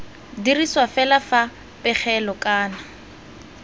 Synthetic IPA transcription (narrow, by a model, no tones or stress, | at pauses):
diriswafɛlafa | pɪk͡xʰɛlɔkʼaːna